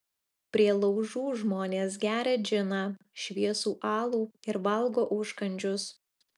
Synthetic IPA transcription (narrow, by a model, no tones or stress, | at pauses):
pʲɾʲiɛlˠɐʊʒuːʒmoːnʲeːs̬ɡʲæːɾʲɛd͡ʒʲɪnɑ | ʃʲʋʲiɛsuːʔɑːlˠuːɪɾʋɐlˠɡoːʔʊʃkɐnʲd͡ʒʲʊs